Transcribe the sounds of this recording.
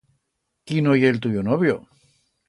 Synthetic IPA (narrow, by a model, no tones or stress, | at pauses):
kinojelt̪̬uʝonoβjo